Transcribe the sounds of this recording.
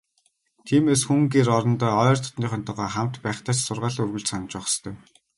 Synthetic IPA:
t̪ʰiːmeːsxuŋɡeːɾɔɾɞ̆nt̪œːɔjrt̪ʰɔ̥t̪niːχœnt̪ə̆ʁɔːχam̥t̪pæːχt̪ʰaːt͡ɕsʊrʁaːɮɵrɣɵ̆ɮt͡ɕsanə̆t͡ɕpɔχə̥st̪ʰœː

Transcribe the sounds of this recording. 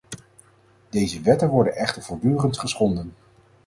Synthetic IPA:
d̥ejzəʋɛtənʋɔɹdənɛχtəɹv̥ʊːɹdyːrəntχəsχɔndən

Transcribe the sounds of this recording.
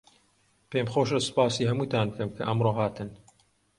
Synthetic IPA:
pemxoʃɐsɨ̥paːsiːɦɐmuːt̪aːnbɨkʰɐmkʰɐ̰ʔɐmroːɦaːt̪ʰɨn

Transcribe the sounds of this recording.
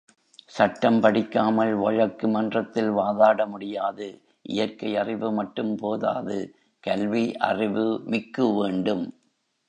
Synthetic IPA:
sɐʈːɐmpɐɽɪkːaːmɐlʋɐɻɐkːɯmɐndrɐt̪ːɪlʋaːðaːɽɐmʊɽɪjaːðɯ | ʔɪ̰jɐɾkɐɪɐrɪʋɯmɐʈːɯmpoːða̰ːðɯ | kɐlʋiʔɐ̰rɪʋɯmɪkːɯʋeːɳɖɯm

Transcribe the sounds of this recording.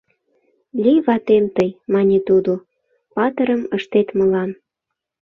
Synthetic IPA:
lʲijβɑt̪emt̪əjmɑnʲet̪ud̪o | pɑt̪əɾəməʃt̪et̪mə̆lɑn

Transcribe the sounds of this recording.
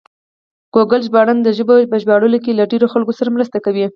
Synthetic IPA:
ɡ̥oɡalʒbɑɽand̪əʒəbobəʒbɑɽəlokelaɖeɾoxalkosaɾamɾəst̪akawi

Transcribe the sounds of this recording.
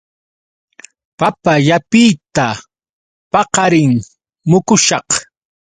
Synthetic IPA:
papaʎapɪjt̪a | pɑqɑɾɪŋ | mʊkʊʃɑq

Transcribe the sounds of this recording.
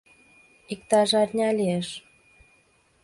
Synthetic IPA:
ikt̪ɑʒɑtʲnʲɑlʲieʃ

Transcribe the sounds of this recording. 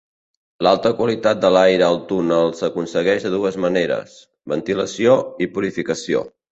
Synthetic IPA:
lalˠt̪əkwəlit̪at̪̚d̪əlajɾəːlˠt̪unəlˠsəkunsəɣɛʒðəðuəzməneɾə̰s | βənt̪iləsioipuɾifikəsio̰

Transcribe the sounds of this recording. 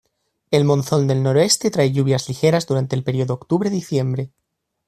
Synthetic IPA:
e̞lmõ̞nθo̞nd̪e̞lno̞ɾoe̞st̪e̞t̪ɾaeʎuβ̞jazlixe̞ɾazd̪uɾant̪e̞ːlpe̞ɾio̞ðokt̪uβɾeðiθje̞mbɾe

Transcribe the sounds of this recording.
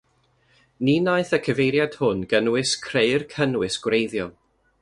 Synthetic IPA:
ninaɨθəkʰəvejɾjad̥hʊnɡənwɪskʰreɨrkʰənwɨsɡ̥wrejðjɔ

